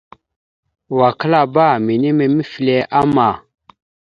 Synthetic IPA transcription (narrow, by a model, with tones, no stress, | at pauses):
wa˨kə˦la˦ba˦˨mi˨ni˦me˨mi˦fi˨le˨ʔa˦ma˨